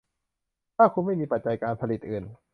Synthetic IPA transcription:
t̪ʰaː˥˩kʰu˧nma˥˩jmiː˧pa˨˩t̪̚t͡ɕa˧jkaː˧npʰa˧li˨˩t̪̚ʔɯː˨˩n

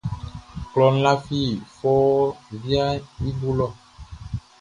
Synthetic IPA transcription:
klɔ˨n̩˦la˦fi˦˨fɔ˦vi˦a˦i˦bu˦lɔ˦

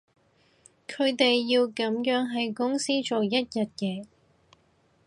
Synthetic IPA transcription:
kʰɵ˨˧ɥt̪e˨jːiː˧wkɐ˨˧˥mjœː˨˥ŋɦɐ˨jkʊ˥ŋsiː˥t͡ʃo˨wjɐ˥t̚jɐ˨t̚jɛː˨˥

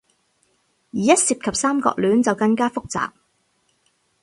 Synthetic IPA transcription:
jiː˨˩jɐ˥t̚siː˨p̚kʰɐ˨p̚saː˥mkɔ̰ː˧k̚lyː˨˥nt͡sɐ˨wkɐ˧ŋkaː˥fʊ˥k̚t͡sa̰ː˨k̚

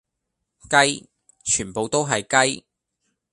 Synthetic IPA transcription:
kɐ˥j | t͡ʃʰyː˨˩npo˨wt̪o˥wɦɐ˨jkɐ˥j

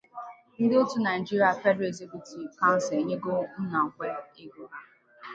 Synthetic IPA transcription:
n̩˦dɪ˦ʊ˦tu˦na˨d͡ʒi˦ɾja˨fɛ˦de˨zi˦bi˨ti˨ka˦n̩˦sɪ˨ɲe˦ɡo˦n̩˦na˨kʷe˨ɪ˦ɡu˨a˦

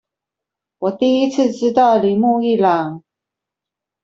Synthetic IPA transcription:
wɔ˨˩t̪i˥˩i˥t͡sʰɹ̩˥˨ʈ͡ʂɻ̩˥t̪ɑ˥˩ʊli˨˩mu˥˧i˥˩la˨˩˦ŋ

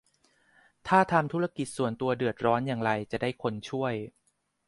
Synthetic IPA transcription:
t̪ʰaː˥˩t̪ʰa˧mt̪ʰuː˦˥ɾa˧ki˨˩t̪̚su˨˩ənt̪u˧ɐdɯ˨˩ət̪̚ɾɔː˦˥njaː˨˩ŋɾa˧jt͡ɕa˨˩daː˥˩jkʰo˧nt͡ɕʰu˥˩əj

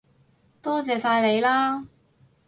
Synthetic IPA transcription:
t̪ɔː˥t͡sɛː˨saː˧jle˨˧jlaː˥

